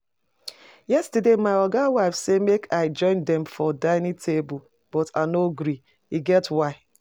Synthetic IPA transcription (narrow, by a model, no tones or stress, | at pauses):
jɛstidemaɪɔɡawaɪfsemekʰaɪd͡ʒɔ̃ɪ̃ndɛmfɔdaɪnitʰebʊ | b̥ɔtanoɡɾi | iɡɛtwaɪ